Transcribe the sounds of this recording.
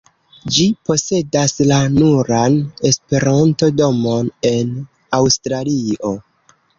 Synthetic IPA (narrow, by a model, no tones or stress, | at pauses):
d͡ʒipo̞se̞daslanuɾane̞spe̞ɾanto̞do̞mo̞ne̞n | awstɾalio̞